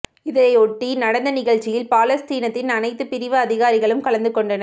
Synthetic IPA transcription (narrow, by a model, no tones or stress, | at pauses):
ɪðɐɐɪɔʈːinɐɽɐnd̪ɐnɪɣɐɭt͡ʃːɪjɪlpaːlɐst̪iːnɐt̪ːɪnɐnɐɪt̪ːɯpɪɾɪʋɐːðɪɣaːɾɪɣɐɭɯmkɐɭɐnd̪ɯkːɔɳɖɐnɐ